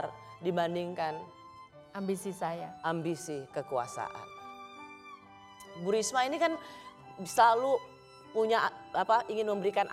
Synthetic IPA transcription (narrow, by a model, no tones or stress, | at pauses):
rdibandiŋkan | ambisisajaʔambisikəkua̰sa̰ʔa̰n | buɾismainikan | səlalu | puɲaapaʔiŋɪnməmbəɾikanʔ